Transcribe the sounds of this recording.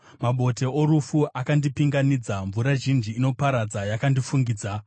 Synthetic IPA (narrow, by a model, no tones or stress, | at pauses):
maɓo̞te̞oɾufuʔakandipiŋɡanid͡zaɱvuɾaʒind͡ʒiːno̞paɾad͡zajakandifuŋɡiːd͡za